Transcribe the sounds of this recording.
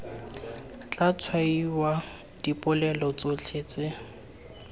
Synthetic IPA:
t͡ɬat͡sʰwaiwa | d̥ipʼʊlɛlɔt͡sot͡ɬʰeːt͡sɪ

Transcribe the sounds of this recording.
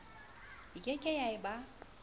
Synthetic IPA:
ɪkʼɛkʼɛjaɪba

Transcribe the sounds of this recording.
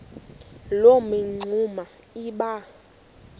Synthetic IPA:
lomeŋ͡ǀʱuma | iɓa

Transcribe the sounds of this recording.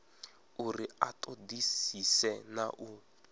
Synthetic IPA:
uriatʼodisisɛnaʔu

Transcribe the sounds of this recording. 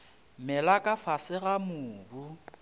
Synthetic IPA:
mɛlakʼafasɪɣamʊːbu

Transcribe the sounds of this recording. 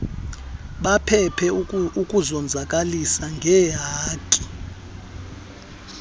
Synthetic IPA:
ɓapʰɛpʰɛukʼuzɔnd͡zʱakʼalisaŋɡʱɛjaːkʼi̥

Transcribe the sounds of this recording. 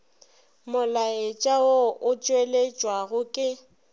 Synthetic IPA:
mʊlaet͡ʃʼaoʊt͡ʃʼwelet͡ʃʼwaɣʊkʼɪ

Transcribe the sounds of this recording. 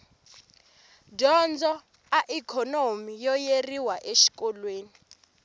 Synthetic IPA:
d͡ʒɔnd͡zɔ | aʔikʰɔnomijɔjeriwaʔeʃi̥kɔlweːni

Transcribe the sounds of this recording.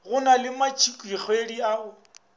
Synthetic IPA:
ɣʊnalɪmat͡ʃʰikʼwik͡xʰwediaʊ

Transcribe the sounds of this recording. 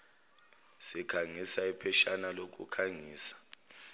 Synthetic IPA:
sikʰaŋisaipʰɛʃanalok̬ʼṵkʰaŋiːsḁ

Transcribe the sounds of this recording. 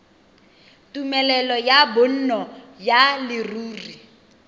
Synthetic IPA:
tʼumɛlɛlɔjabʊn̩nɔjalɪruːri

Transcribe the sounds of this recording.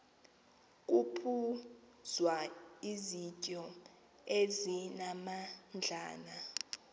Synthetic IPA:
k̬ʼupʰu | zwaizicʼɔ | ezinamand͡ɮʱa̰ːna

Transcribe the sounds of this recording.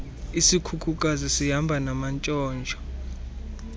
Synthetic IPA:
isikʰukʰuk̬ʼazisiɦambʱanamant͡ʃʼɔːnd͡ʒʱɔ

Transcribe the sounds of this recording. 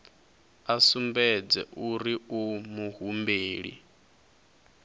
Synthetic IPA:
asumbɛd͡zɛ̰ʔuɾiumuɦumbeːɺḭ

